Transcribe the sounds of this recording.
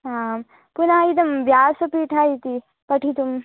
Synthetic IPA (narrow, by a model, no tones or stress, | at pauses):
am | punaid̪ɐmʋjaːsɐpiːʈʰaːit̪i | pɐʈʰit̪um